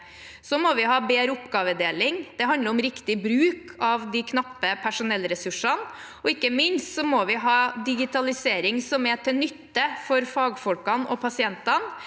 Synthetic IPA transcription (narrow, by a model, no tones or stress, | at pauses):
sɔmɔʋɪɦɑːbeːɾəʊpɡɑːʋəd̪eːlɪŋd̪̥ɛɦɑnd̪əɾɔmɾɪkt̪ɪbɾʉːkʰɑʋd̪ikʰnɑpːəpʰæʂʊnɛlːɾɛsʉʂɑn | ɔɪkːəmɪnst̪sɔmɔʋɪɦɑːd̪ɪɡɪt̪ʰɑlɪseːɾɪŋsɔmɛʈʰɪnʏt̪ːəfɔɾfɑːɡfɔlkɑnɔpʰɑsɪɛnt̪ɑn